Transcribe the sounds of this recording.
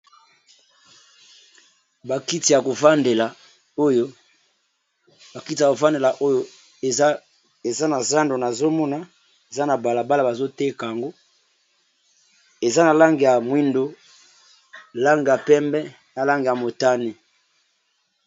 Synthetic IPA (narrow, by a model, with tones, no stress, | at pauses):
ba˨ki˦ti˨ja˨ko˨fa˦nde˨la˨ | o˦jo˦ | ba˨ki˦ti˨ja˨ko˨fa˦nde˨la˨ʔo˦jo˦˨˦ | e˨za˦na˨za˦ndo˨na˨zo˦mɔ˦na˨ | e˨za˦na˨ba˨la˨ba˦la˨ba˨zo˦te˦ka˨ja˨ŋɡo˦ | e˨za˦na˨la˦ŋɡi˨ja˨mwi˦ndo˦ | la˦ŋɡi˨ja˨pɛ˦mbɛ˦ | na˨la˦ŋɡi˨ja˨mo˨ta˦ni˨